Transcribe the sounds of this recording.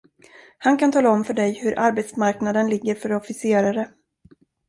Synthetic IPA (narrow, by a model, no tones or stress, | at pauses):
hankʰant̪ʰɑːlaɔmfœɖɛjhɵɾʔaɾbɛt̪smaɾknad̪ənlɪɡːəɾfœɾɔfɪseːɾaɾə